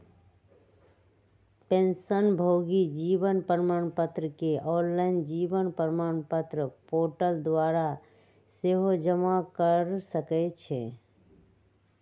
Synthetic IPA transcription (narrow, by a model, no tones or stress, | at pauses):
pẽnsənbʱoɡid͡ʒiʋənpəɾmaːɳ̃pət̪ɾəkeʔɔːnlaɪnd͡ʒiʋənpəɾmaːɳpət̪ɾəpoʈəld̪waɾa | seɦod͡ʒəmakəɾsəkɛt͡ʃʰe